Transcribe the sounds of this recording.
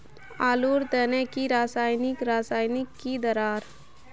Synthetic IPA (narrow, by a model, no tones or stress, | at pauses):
aːluːɾd̪ənɛkiɾaːsaːjnɪkɾaːsaːjnɪkːid̪əɾaːɾ